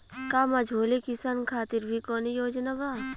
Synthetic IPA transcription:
kaːmɐd͡ʒʱoːlikisankʰaːt̪ɪɾbʱikɔːnijoːd͡ʒnabaː

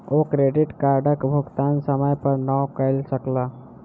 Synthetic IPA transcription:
okɾeɖɪʈkaɾɖəkbʱʊɡt̪ansəməjpəɾnɔwkəɪlsəkla

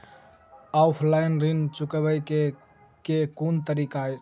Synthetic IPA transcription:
aʊpʰlaɪnɾint͡ʃukəbəjke | kekunt̪əɾika

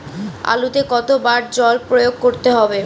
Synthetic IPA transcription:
a̰lut̪ekɔt̪obaɾd͡ʑɔlpɾojoɡ̚koɾt̪eɦɔbe

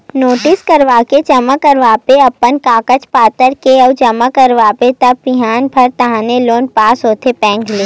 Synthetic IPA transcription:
noːʈɪskɐɾʋaːket͡ʃɐməkəɾʋaːpeɐpːənkaːkət͡ʃpaːt̪əɾkeɔd͡ʒɐmakəɾʋaːpet̪ɐb̚pɪɦaːnbʱɐɾt̪ɐɦãːneloːnpaːsɦoːt̪ʰepɛ̃ːŋɡleː

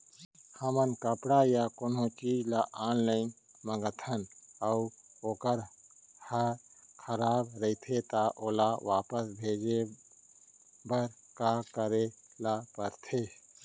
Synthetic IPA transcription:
həmənkəpɽajakonõt͡ʃiːd͡ʒlaʔaːnləɪn | məŋɡət̪ʰənəuoːkəɾ | həkʰəɾaːbɾəit̪ʰet̪aʔoːlaʋaːpəsbʱeːd͡ʒe | bəɾ | kakəɾe | lapəɾt̪ʰe

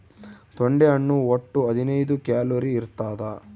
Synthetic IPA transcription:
t̪oɳɖeɐɳːuoʈːuɐd̪ʱinɐjd̪ukjaːluɾiːɾt̪aːd̪ɐ

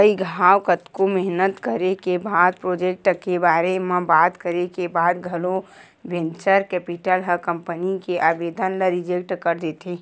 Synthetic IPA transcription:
əiɡʱaːwkət̪komɛɦnət̪kəɾekebaːd̪̚pɾoːd͡ʒek̚ʈkebaːɾemẽbaːt̪kəɾekebaːd̪ɡʱəlo | bẽnt͡ʃəɾkɛːpiʈəlɦəkə̃mpənikeʔaːbeːd̪ənləɾid͡ʒek̚ʈkəɾd̪eːt̪eː

